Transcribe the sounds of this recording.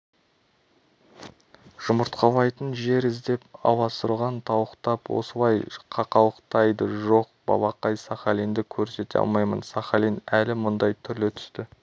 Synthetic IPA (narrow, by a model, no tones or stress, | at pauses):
ʒ̥ʊməɾt̪qʰɑlˠɑjt̪ənʒe̞ɾɪzd̪e̞pɑ̰wɑsəɾʁɑnt̪ʰɑwəqt̪ɑpwo̰səlˠɑjqʰɑqɑwˠəqt̪ɑjd̪əʒo̞q̚b̥ɑ̰lˠɑqɑjsɑχɑlind̪ɪkʲʰɵɾse̞t̪eɑ̰lˠmɑjmə̰nsɑχɑlinælɪmʊnd̪ɑjt̪ʰʏɾlɪt̪ʰʏ̥st̪ɪ